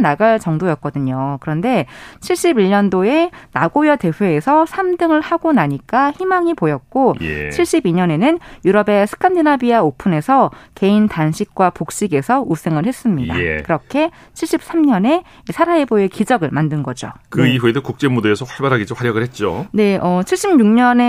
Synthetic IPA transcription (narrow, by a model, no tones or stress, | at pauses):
naɡaɭt͡ɕʌŋdojʌt̚k͈ʌdɯɲokɯɾʌnde̞t͡ɕʰiɭɕ͈ibiʎːʌndoe̞naɡojʌte̞ɸeesʰʌsʰamdɯŋɯɭhaɡonaɲik͈açimaŋipojʌt̚k͈oj̰t͡ɕʰiɭɕ͈ibiɲʌne̞nɯnjuɾʌbe̞sʰɯ̥kʰandinabiaopʰune̞sʰʌke̞intanɕʰik̚k͈wapok̚ɕ͈iɡe̞sʰʌʔus͈ʰeŋɯɭhe̞s͈ɯmɲida̰kɯɾʌkʰe̞ | t͡ɕʰiɭɕ͈ip̚s͈amɲʌne̞ | isʰaɾaeboe̞kid͡ʑʌɡɯɭmandɯnɡʌd͡ʑo̰kɯiɦwedokuk̚t͡ɕ͈emudoesʰʌɸwaɭbaɾɦaɡid͡ʑoɸwaɾjʌɡɯɭhet̚t͡ɕ͈o̰ne̞ʔʌt͡ɕʰiɭɕ͈imɲuŋɲʌne